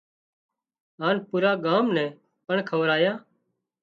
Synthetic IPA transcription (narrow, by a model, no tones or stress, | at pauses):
ɦaːnpuːɾaːɡaːmnɛ̃ː | pəɳkʰəʋɾaːjaː